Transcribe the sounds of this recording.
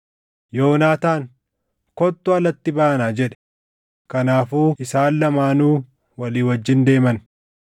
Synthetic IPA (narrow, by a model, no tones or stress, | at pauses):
jo̞ːnaːt̪aːŋ | kɔt̪ːʊɐlɐt̪ːɪbaːɐnaːd͡ʒɛᶑɛ̥ | kɐnaːfuːʔɪsaːlːɐmaːnuː | wɐliːwɐd͡ʒːɪnd̪e̞ːmɐn